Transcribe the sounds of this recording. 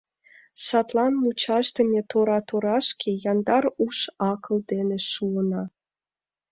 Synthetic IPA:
sɑt̪lɑnmut͡ɕɑʒd̪ə̆mʲet̪oɾɑt̪oɾɑʃkʰejɑnd̪ɑɾuʃɑkəld̪eneʃuənɑ

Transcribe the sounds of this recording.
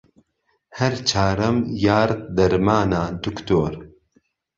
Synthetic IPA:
hɛɾt͡ʃʰaːɾɐmjaːɾd̪ɐɾmaːnaːd̪ukt̪oːɾ

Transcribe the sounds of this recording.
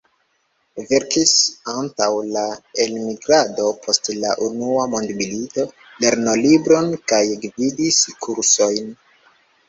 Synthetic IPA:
ve̞ɾkisantawlaelmiɡɾado̞pʰo̞stlaʔunuamo̞ndmilito̞ | le̞ɾno̞libɾo̞nkajɡvidiskʰuɾso̞jn

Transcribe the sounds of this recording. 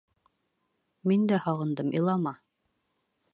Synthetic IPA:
mind̪æhɑʁɤ̆nd̪ɤmʔilˠɑmɑ

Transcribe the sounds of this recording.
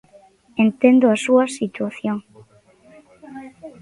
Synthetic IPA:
ent̪ẽnd̪oasuasit̪waθjoŋ

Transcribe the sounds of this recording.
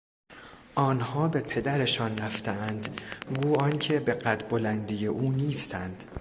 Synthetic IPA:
ʔɒːnhɒːbe̞pʰe̞d̪æɾe̞ʃɒːnræft̪eænd̪ɡuːɒːncʰe̞be̞ɢæt̪bolænd̪ije̞ʔuːniːst̪ʰænd̪̥

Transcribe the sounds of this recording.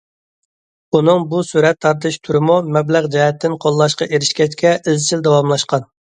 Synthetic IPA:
unɨŋbusuɾɛt̪ʰːɑɾt̪ɨʃt̪ʰuɾɨmumɛblæʁd͡ʒɛɛt̪ʰːɪnqʰolˠːɑʃqɑ̰ʔeɾɪʃkʲʰɛt͡ʃkʲɛʔɪzt͡ʃʰild̪ɛwɑmlˠɑʃqɑn

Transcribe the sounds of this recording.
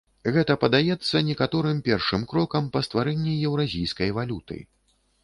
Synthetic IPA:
ɣɛt̪ɐpɐd̪ajɛt̪sːɐnʲɛkat̪ɔɾɨmpʲɛrʂɨmkɾɔkɐmpɐst̪vaɾɛnʲːijɛwɾazʲijskɐjvalʲut̪ɨ̰

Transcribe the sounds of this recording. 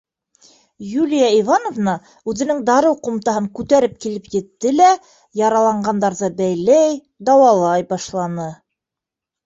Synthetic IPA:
julʲijaivanovnɑ | ʉðɘ̆nɘŋd̪ɑɾɤwqŭmt̪ɑɦɤŋkʉt̪æɾɘp̚kilɘpjɘ̆t̪ːɘlæ | jɑɾɑlˠɑɴɢɑnd̪ɑɾðɤbæjlæj | d̪ɑwɑlˠɑjbɑʃlˠɑnɤ

